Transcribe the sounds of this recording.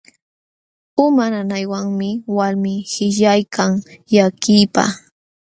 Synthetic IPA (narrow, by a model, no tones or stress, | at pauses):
ʊmananajwaŋmɪwaɾmɪhɪʎajkʰaŋjakɪːpa̰